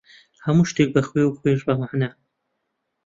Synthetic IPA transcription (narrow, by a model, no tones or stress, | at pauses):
hɐmuːʃt̪eːk̚bɐxwewuxweʒbɐmaʕna